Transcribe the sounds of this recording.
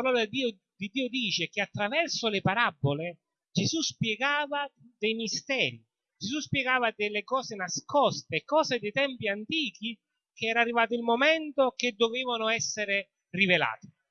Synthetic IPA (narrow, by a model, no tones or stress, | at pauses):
aɾɔːlad̪iː | d̪id̪ːiːʊd̪iːt͡ʃek̟eat̪ːɾavɛrsʊlɪpaɾabːole | d͡ʒezuspjɛɡaːvad̪ɛjmist̪ɛːɾi | d͡ʒesuspjɛɡaːvad̪ɪlːɪkɔːsenaskɔst̪ekːɔːzed̪et̪ɛmpiant̪iːk̟i | keɛːɾarːivaːt̪ʊilmomɛnt̪oked̪ːoveːvanʊɛsːeɾɪ | rivela̰ːt̪ɪ̥